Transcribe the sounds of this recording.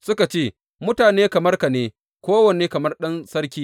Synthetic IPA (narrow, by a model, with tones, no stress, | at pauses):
sʊ˦ka˨t͡ʃeː˦˨ | mʊ˦taː˨neː˦kɐ˨mɐ˦rka˨neː˦ | kʷoː˦wɐ˨neː˦kɐ˨mɐ˦rɗɐ˦nsɐ˦rkʲiː˦